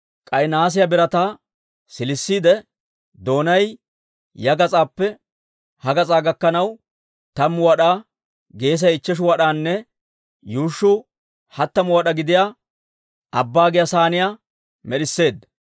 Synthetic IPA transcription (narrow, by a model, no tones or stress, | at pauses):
kʼɐjnaːs̬ɪjɐbɪɾɐt̪aː | sɪlɪsːiːd̪ɛ | d̪o̞ːnɐj | jɐɡɐt͡sʼaːpːɛ | hɐɡɐt͡sʼaːɡɐkːɐnɐw | t̪ɐmwɐɗaː | ɡe̞ːs̬ɐjɪt͡ʃːɛʃ̬ʊwɐɗaːnːɛ | juːʃːʊ | hɐt̪ːɐmʊwɐɗɐɡɪd̪ɪjaː | ɐbːaːɡɪjɐsaːnɪjaː | mɛɗɪsːe̞ːd̪